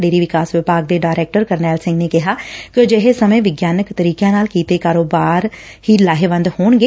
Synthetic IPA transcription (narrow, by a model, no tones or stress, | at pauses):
ɖeːɾiːʋɪkaːsʋɪbaːɡ̚d̪eːɖaːɾɛːk̚ʈəɾkəɾnɛːlsɪ̃ŋɡneːkɪɦaːkɪd͡ʒeɦesəmẽːʋɪɡjaːnəkt̪əɾiːkjãːnaːlkiːt̪eːkaːɾoːbaːɾ | hiːlaːɦeʋə̃nd̪hoːɳɡeː